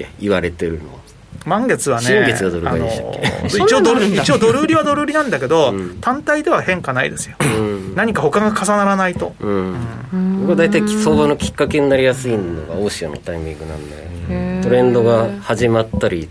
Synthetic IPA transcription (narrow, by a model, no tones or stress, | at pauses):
iβaɾe̞t̪e̞ɾɯ̟no̰ | mãŋɡe̞t͡sɨβaneiŋɡɡet͡sɨɡad̪o̞ɾɯ̟aɡaid̪eɕt̪a̰kkːḛit͡ɕiod̪oɾit͡ɕiod̪o̞ɾɯːɾʲiβad̪o̞ɾɯːɾʲinãnd̪ake̞d̪o̞t̪ãnt̪aid̪e̞β̞ahẽ̞ŋkanaḭd̪e̞sɨ̥jo̞̥ɯ̃naɲ̟ikaho̞kaŋɡakʰasanaɾanait̪o̞̰ɯ̃ɯ̟̃bokɯad̪ait̪aiso̞ːbano̞kʲi̥kːake̞ɲinaɾʲijasɨino̰ɡa̰oːɕiano̰t̪aimʲĩŋɡɯ̟nã̰nd̪eot̪o̞ɾẽ̞nd̪o̞ɡahaʑimat̪ːaɾʲi